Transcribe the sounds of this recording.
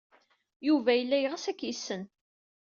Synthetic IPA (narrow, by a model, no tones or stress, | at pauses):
juvæjəlːæjʁæsækːjisːən